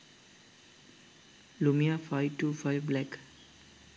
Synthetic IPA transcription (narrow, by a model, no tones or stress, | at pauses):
lumiafaɪʈufaɪʋblɛk